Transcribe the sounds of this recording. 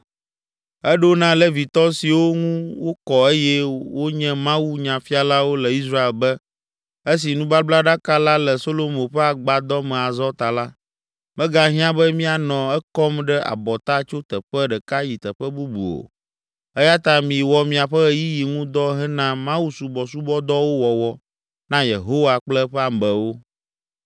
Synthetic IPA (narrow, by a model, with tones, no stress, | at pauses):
ɛ˦ɖo˦nã˦lɛ˦vi˨t̪ɔ˦si˨wo˦ŋũ˦wo˦kɔ˨e˦jɛ˦wʔo˦ɲɛ̃˦mã˦wu˦ɲã˨fi˦a˨la˦wo˦lɛ˨i˦s̬ɾa˦e˨lbɛ˦ | e˦s̬i˨nũ˦ba˦bla˦ɖa˦ka˦la˦lɛ˨so˦lo˦mõ˨ɸɛ˦a˨ɡ͡ba˨d̪ɔ˦mɛ̃˨a˨zɔ˦t̪a˨la˦ | mɛ̃˦ɡa˦ɦĩ˦ã˦bɛ˦mĩ˦a˨nɔ̃˨ɛ˦kɔ˦mɖɛ˦a̰˨bɔ˨t̪a˦t͡ʃo˦t̪ə˨ɸɛ˦ɖɛ˨ka˦ji˨t̪ə˨ɸɛ˦bu˦bṵ˨o̰˨ | ɛ˦ja˦t̪a˦mĩ˨wɔ˨mĩ˨a˨ɸə˦ji˦ji˨ŋũ˦d̪ɔ˦ɦɛ˦nã˦mã˦wu˦su˨bɔ˨su˦bɔ˦d̪ɔ˦wo˦wɔ˨wɔ˨ | nã˦je˨ɦo˦wa˨k͡plɛ˦ɸɛ˦a˨mbə˨wo˦